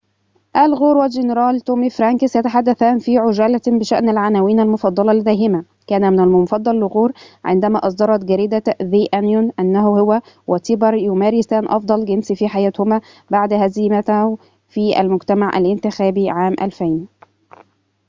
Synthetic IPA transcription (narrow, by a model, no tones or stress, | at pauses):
ʔælɣuːɾwælɡɪnɪɾɑːlt̪uːmifɾæŋkɪsjæt̪aħad̪ːæθæːnfiːʕʊʒæːlæbɪʃæʔnælʕanæːwiːnalmʊfɑd̪ˤːɑlɑlːɪd̪æjhɪmæ | kæːnæmɪnælmʊmfɑd̪ˤːɑlːɪɣuːɾʕɪ̰nd̪æmæːʔɑsˤd̪ˤɑɾˤɑt̪ɡæɾid̪æðiːʔænjʊnʔænːæɦʊhʊwæ | wʔæt̪ibɑɾˤjʊmæːɾɪsæːnʔɑfd̪ˤɑlɡɪnsifiːħajæːt̪hʊmæː | baʕd̪hæziːmæt̪ | fiːʔæ̰lmʊɡt̪æmaʕʔæ̰lʔɪnt̪ɪxæːbiʕaːmʔæ̰lfæːn